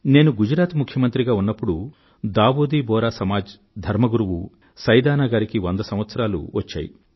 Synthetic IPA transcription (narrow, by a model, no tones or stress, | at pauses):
ne̞ːnuɡud͡ʒɾaːt̪mukʰjɐmɐnt̪ɾiɡaːunːɐpːuɽu | d̪aːʋoːd̪iːbɔːɾaːsɐmaːd͡ʒ | d̪ʱɐɾmɐɡuɾuʋu | sɐjd̪aːnaːɡaːɾikiʋond̪ɐsɐ̃mʋɐt̪sɐɾaːlṵʋɐt͡ʃːa̰ːjḭ